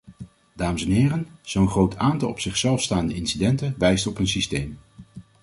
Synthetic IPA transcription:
d̥aːməsɛnɦɪːrənz̥ownχrowtʰaːntɑlˠɔpsɪχsɛlˠfstaːndəɪnsidɛntənʋɛjstɔpənsistejm

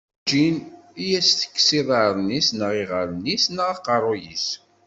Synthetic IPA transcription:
d͡ʒinijæsθə̥kːsiðˤəɾˤnisnəʁiʁəɾˤənːisnəʁɑqɑrˤːojis

